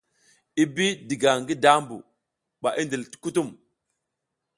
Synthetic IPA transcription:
i˦bi˦di˨ɡa˨ŋɡi˦da˦mbṵ˨ | ɓa˨ʔi˦ndi˨lti̥˦ku˦tu˦˨m

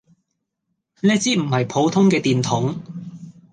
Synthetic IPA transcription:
nɛː˥t͡siː˥m̩˨˩hɐ˨jpʰo˨˥wt̪ʰʊ˥ŋkɛː˧t̪iː˨nt̪ʰʊ˨˥ŋ

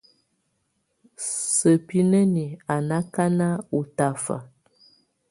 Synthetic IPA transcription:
sə˨pi˦nə˦ni˨a˨na˦ka˦na˦u˨ta˦fa̰˨

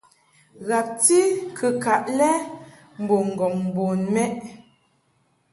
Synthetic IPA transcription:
ɣa˨p̚ti˦kʰə˨ka˨ʔlɛ˦ | m̩˨bo˨ŋ̩˨ɡɔ˨ŋm˨bo˨nmɛ˦ʔ

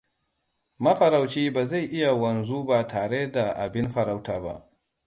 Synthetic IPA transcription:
mɐ˦ɸɐ˨ɾa˨wt͡ʃiː˦baː˨za˦˨jʔɪ˦ja˨wɐ˨nzu˦ba˨tʰaː˨ɽe˦da˨ʔa̰˨bɪ˦nɸɐ˨ɾa˦wtaː˨ba̰˦ʔ

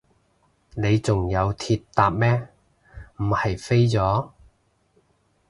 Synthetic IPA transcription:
ne˨˧jt͡sʊ˨ŋjɐ˨˧wt̪ʰiː˧tt̪aː˨˧p̚mɛː˥ | m̩˨˩hɐ˨jfe˥jt͡sɔː˨˥

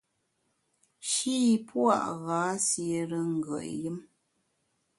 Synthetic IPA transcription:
ʃi˦˨pʰwa̰˦˨ʔɣaː˨˦sje˨ɾə˦ŋ̩˨ɡə̰˨ʔjə˦m

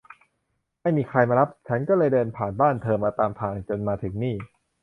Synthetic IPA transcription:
ma˥˩jmiː˧kʰɾa˧jmaː˧ɾa˦˥p̚t͡ɕʰa˦˥nkɔː˥˩lɤː˧jdɤː˧npʰaː˨˩nbaː˥˩nt̪ʰɤː˧mːaː˧t̪aː˧mt̪ʰaː˧ŋt͡ɕo˧nmaː˧t̪ʰɯ˩˦ŋniː˥˩

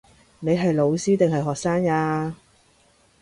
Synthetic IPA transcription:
ne˨˧jɦɐ˨jlo˨˧wsiː˥t̪ɪ˨ŋɦɐ˨jɦɔː˨k̚saː˥ŋaː˧

